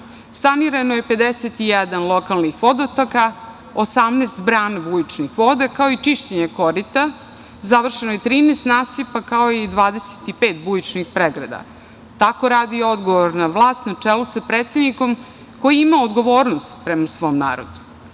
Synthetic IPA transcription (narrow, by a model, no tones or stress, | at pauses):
saniɾanojepe̞d̪eset̪ijɛd̪anlˠokalˠnixʋo̞d̪ot̪aka | osamneːst̪bɾaːnabujit͡ʃnixʋod̪ekao̞it͡ʃiʃt͡ɕeɲekoɾit̪a | zaʋr̩ʃenojet̪ɾiːnest̪naːsipakaoid̪ʋaːd̪ese̥t̪ipeːt̪̚bujit͡ʃnixpɾeɡɾa̰d̪a̰ | t̪ako̞ɾaːd̪io̞d̪ɡoʋoɾnaʋlˠaːst̪nat͡ʂelusapɾeːt̪sed̪niko̞m | ko̞jiimaod̪ɡo̞ʋo̞ːɾnost̪pɾemasʋo̞mna̰ːɾo̰d̪u̥